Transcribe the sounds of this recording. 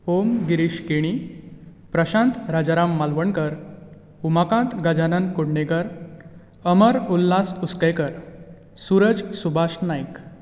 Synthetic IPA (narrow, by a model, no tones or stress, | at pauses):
omɡiɾiɕkeɽ̃i | pɾəɕãnt̪ɾad͡ʑaɾamːalʋəɳkəɾ | umakãt̪ɡad͡ʑanənkuɽɳekəɾ | əməɾulːasuskəjkəɾ | suɾəd͡zsubʱaɕnajk